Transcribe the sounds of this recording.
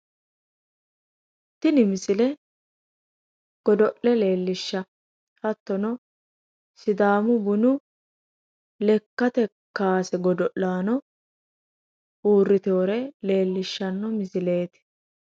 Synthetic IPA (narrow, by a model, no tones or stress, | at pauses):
t̪ːɪnɪmɪsɪlɛ | ɡ̥ɔd̪ɔʔɛle̞ːlːɪʃːɐ | hɐt̪ːɔnɔ | sɪd̪aːmʊbʊnʊ | lɛkːɐt̪ɛkaːsɛɡɔd̪ɔʔːaːnɔ | uːrːɪt̪o̞ːɾɛle̞ːlːɪʃːɐnːɔmɪsɪle̞ːt̪ɪ̥